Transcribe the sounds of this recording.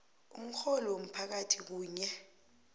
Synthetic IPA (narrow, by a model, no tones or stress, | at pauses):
um̩xɔlɔom̩pʰak̬atʰik̬uːɲɛ